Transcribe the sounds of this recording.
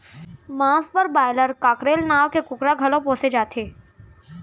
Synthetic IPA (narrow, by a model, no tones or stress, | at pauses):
mãːspəɾbaːɪləɾkaːkɾeːlnaːʋkekʊkɾaɡʱɐlõpõːsed͡ʒaːt̪ʰeː